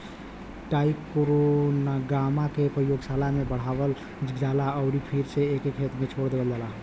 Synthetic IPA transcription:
ʈaipkoɾonaɡamakepɾəjoɡsalamebəɽ̤abəl | d͡ʒd͡ʒalaəʊɾipʰiɾseekekʰet̪met͡ʃʰoɽd̪eɡəld͡ʒalaɦ

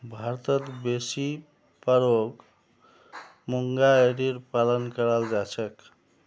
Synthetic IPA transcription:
bʱaɾt̪ət̪besi | pəɾoɡ | muŋɡaeɾiɾpalənkəɾald͡ʒat͡ʃʰək

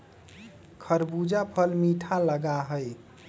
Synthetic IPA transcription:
kʰəɾbud͡ʒapʰəlmiʈʰaləɡaɦəj

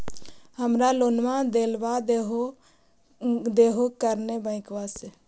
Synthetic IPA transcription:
həmɾaloːnmãd̪eːlbad̪eɦo | d̪eːɦokəɾnebə̃ɪ̃kʋase

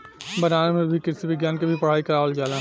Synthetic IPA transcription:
bɐnaːnmẽbʱikɪɾsibɪɡjaːnkebʱipɐɽ̤aːikɐɾaːʋəld͡ʒaːla

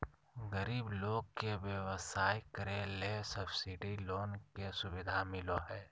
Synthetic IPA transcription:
ɣəɾiːbloːɡ̚keʋjəʋəsaːikəɾẽlesɐbsɪɖiloːnkesʊbɪd̪ʱamɪloɦɛː

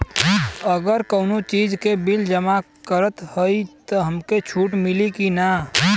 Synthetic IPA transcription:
əɡəɾkəʊnot͡ʃid͡ʒkebild͡ʒəma | kəɾət̪həit̪əɦəmket͡ʃʰuːʈmɪlikina

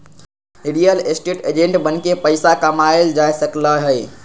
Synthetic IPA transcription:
iɽijəlesʈeʈed͡ʒẽɳʈbənkepəɪsakəmaeld͡ʒajsəkləɦəj

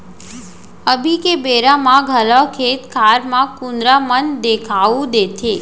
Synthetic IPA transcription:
əbʱikebeɾamãɡʱəlɔkʰet̪kʰaɾmãkund̪ɾamənd̪ekʰaʋũd̪et̪ʰe

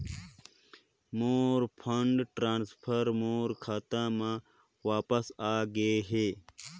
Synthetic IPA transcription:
moːɾpʰɐɳɖʈɾaːnspʰɐɾmoːɾkʰaːt̪ãːmãː | waːpɐsaːɡeɦeː

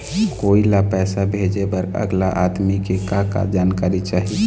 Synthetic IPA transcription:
koːilapɛːsabʱed͡ʒebəɾə̰ɡlaʔad̪mikekaka̰d͡ʒaːnkaːɾit͡ʃaːɦi

